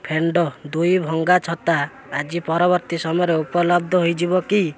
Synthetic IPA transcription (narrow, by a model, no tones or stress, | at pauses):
pʰeɳɖɔd̪ujbʱɔŋɡat͡ʃʰɔt̪aː | d͡ʒipɔɾɔβɔɾt̪isɔmɔjɔɾeupɔlɔbd̪ʱɔɦojd͡ʒibɔki